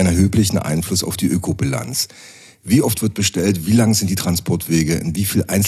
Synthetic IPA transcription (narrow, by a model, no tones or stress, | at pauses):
nɛɐɦøːplɪçn̩ʔa̰ɪnflʊsa̰ʊfd̥iːʔøːkʰobila̰nt͡s | viːʔɔftv̥ɪɐt̚b̥əʃtɛltv̥iːlaŋəzɪntd̥iːtʁ̥anspʰɔɐtv̥eːɡəʔɪ̰nviːfiːlʔa̰ɪns